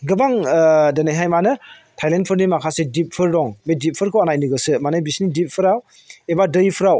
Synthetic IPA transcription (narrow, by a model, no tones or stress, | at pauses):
ɡɯbaŋdɯnɯjɦajmanɯ | tʰajlent̚pʰɯɾnimakʰasedip̚pʰɯɾːɔŋbedip̚pʰɯɾkʰɯwanajnɯɡɯsɯmanɯjbisnidip̚pʰɯɾaw | ebadɯjpʰɯɾaw